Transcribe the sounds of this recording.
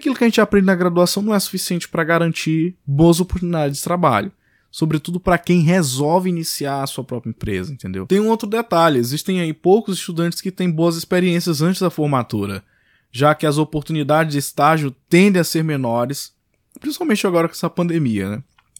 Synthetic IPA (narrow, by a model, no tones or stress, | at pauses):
akilʊkɪɐʒẽnt͡ʃɪapɾẽnd͡ʒɪnɐɡɾad̪uasɐ̃w̃nɐ̃w̃ɛsu̥fisiẽnt͡ʃɪ̥pɾɐɡaɾɐ̃nt͡ʃiɾboɐzopoɾt̪unid̪ad͡ʒɪzd͡ʒɪt̪ɾaba̰ʎʊ | sobɾɪt̪ud̪ʊpɾɐkẽj̃ɦezɔwvɪinisiaɾɐsuɐpɾɔpɾɐẽmpɾḛzɐẽnt̪ẽnd̪ḛwt̪ẽj̃ũowt̪ɾʊd̪et̪aʎʊezist̪ẽj̃aipowkʊzɪst̪ud̪ɐ̃nt͡ʃɪ̥skɪt̪ẽj̃boɐzɪspeɾiẽsiɐzɐ̃nt͡ʃɪzd̪ɐfoɾmat̪uɾɐ | ʒakɪɐzopoɾt̪unid̪ad͡ʒɪzd͡ʒɪst̪aʒjʊt̪ẽnd̪ẽj̃aseɾmẽnɔɾɪs | pɾĩsi̥pawmẽnt͡ʃɪaɡɔɾɐkɛspɐ̃nd̪emiɐ̰nɛ